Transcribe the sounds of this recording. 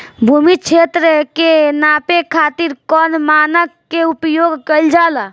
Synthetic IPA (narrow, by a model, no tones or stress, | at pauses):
bʱumit͡ʃʰet̪ɾəkenapekʰat̪iɾkɔnmanəkːeupjoɡkəld͡ʒala